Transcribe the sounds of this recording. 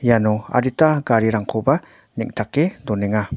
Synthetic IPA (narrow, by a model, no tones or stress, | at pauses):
janɔa̰ɾitaɡaɾiɾaŋkʰoba | nɛ̰k̚tʰakːedɔnɛŋa